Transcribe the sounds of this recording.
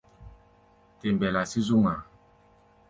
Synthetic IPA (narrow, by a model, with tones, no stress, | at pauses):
te˨mbɛ˨la˨si˦zu˦ŋa˨